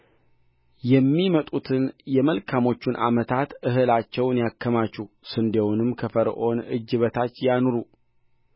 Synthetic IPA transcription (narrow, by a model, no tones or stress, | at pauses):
jɛmːimət̪ʼut̪ʰɨnjɛməlkʰamo̞t͡ʃːunʔa̰mət̪ʰat̪ɨɦɨlat͡ʃːɛwnjakʰːəmat͡ʃːu | sɨnd̪ewnɨmkʰəfəɾʔo̞nɨd͡ʒːɨβət̪ʰat͡ʃːjanoɾu